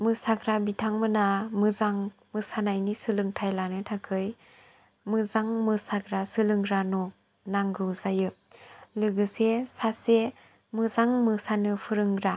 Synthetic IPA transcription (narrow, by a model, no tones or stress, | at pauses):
mɯsaɡɾabitʰaŋmɯnamɯzaŋmɯsanajnisɯlɯŋtʰajlanɯtʰakʰɯj | mɯzaŋmɯsaɡɾasɯlɯŋɾanɔ | naŋɡɯzajɯ | lɯɡɯsesase | mɯzaŋmɯsanɯpʰɯɾɯŋɾa